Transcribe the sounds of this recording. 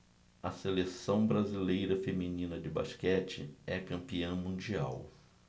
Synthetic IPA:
ɐselesɐ̃w̃bɾazilejɾɐfemĩnĩnɐd͡ʒɪba̰ʃkɛt͡ʃɪɛkɐ̃mpiɐ̃w̃mũd͡ʒia̰w

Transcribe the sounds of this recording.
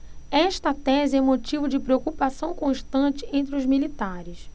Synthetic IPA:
ɛʃt̪ɐt̪ɛzɪɛmot͡ʃivʊd͡ʒɪpɾeokupasɐ̃w̃kõʃt̪ɐ̃nt͡ʃɪẽnt̪ɾɪʊzmilit̪aɾɪs

